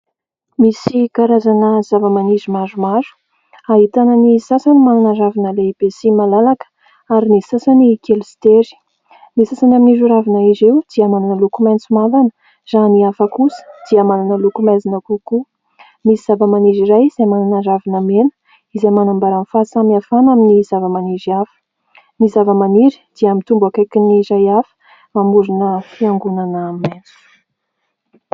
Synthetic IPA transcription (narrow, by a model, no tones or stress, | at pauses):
misikaɾazanəzavəmanizimazumaɾu̥ | aɦit̪anənisasanimananaɾavinəleb̥esimalalakə̥ | aɾinisasanikelist̪eɾi̥ | misasanaminizuɾavinaizewd̪̥iəmananəlukumant͡sumalanə̥ | z̥aniafakusə̥d̪̥iəmananəlukumazinəkuku | misiz̥avəmaniziɾajiz̥amananəɾavinəmenə̥ | izamanambaɾanfasamiafanaminizavəmaniziafə̥ | mizavəmaniɾi̥d̪̥iamint̪umbakakiniɾajafə̥ | mamuɾunəfiaŋɡunanəmajnt͡su̥